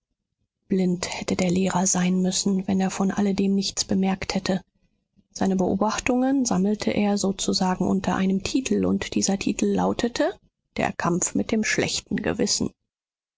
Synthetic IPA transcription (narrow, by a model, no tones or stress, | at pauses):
b̥lɪnthɛtədeːɐleːʁɐzaɪnmʏsn̩vɛneːɐfɔnʔa̰lədeːmnɪçt͡sb̥əmɛɐkthɛtʰə | z̥aɪnəbəʔoːbaχtʊŋənzaml̩tʰəʔeːɐzoːt͡suzaːɡŋ̩ʔʊ̰ntʰɐʔa̰ɪnəmtʰiːtʰl̩ʊ̰ntd̥iːzɐtʰiːtʰl̩ːa̰ʊtʰətʰə | d̥ḛːɐkʰamfmɪt̚d̥eːmʃlɛ̰çtn̩ɡə̰vɪsn̩